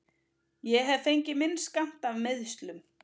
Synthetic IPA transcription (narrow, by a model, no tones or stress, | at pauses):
jɛɦɛvfejɲcɪmɪnːskan̥t̪avmɪðst̪lʏm